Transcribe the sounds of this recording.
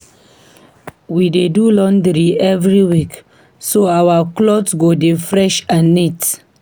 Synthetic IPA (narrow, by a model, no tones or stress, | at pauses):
widedulɔ̃ndɾiɛvɹiwik | soawaklɔtsɡodefɹɛʃãnːit